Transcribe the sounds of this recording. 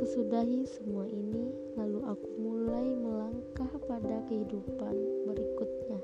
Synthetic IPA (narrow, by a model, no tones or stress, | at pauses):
səsudaɦisəmuaʔini | laluʔakumulajməlaŋkahpadakəhidupanbəɾikut̪̚ɲa